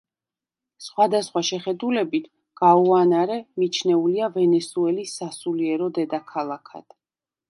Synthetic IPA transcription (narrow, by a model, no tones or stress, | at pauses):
sχwad̪asχwaʃɛχɛd̪ulɛbit̪ʰ | ɡ̥auanaɾɛmit͡ʃʰnɛuliavɛnɛsuɛlisːasuliɛɾɔd̪ɛd̪akʰalˠakʰa̰d̪̥